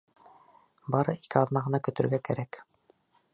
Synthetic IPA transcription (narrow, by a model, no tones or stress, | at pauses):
bɑɾɤʔikɘɑðnɑʁɤ̆nɑkɵ̆t̪ɵ̆ɾɡækæ̰ɾæk